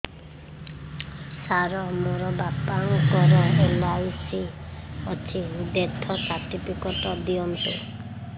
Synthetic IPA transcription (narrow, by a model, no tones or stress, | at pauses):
saɾɔmoɾɔbapaŋkɔɾɔelalsiɔt͡ʃʰid̪et̪ʰːɔsaɾʈipʰikɔʈɔd̪iɔmtu